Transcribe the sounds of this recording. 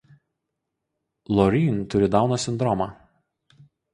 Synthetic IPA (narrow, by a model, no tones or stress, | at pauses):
lˠɔɾʲiːnʲt̪ʊɾʲɪd̪ɑˑʊnɐsʲɪnd̪ɾɔma